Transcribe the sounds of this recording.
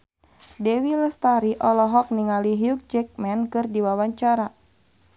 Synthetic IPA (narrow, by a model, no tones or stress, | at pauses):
dɛwiləst̪aɾiʔɔlɔɦɔk̚niŋaliɦiuk̚d͡ʒɛk̚mɛnkɨrdiwawaɲt͡ʃaɾa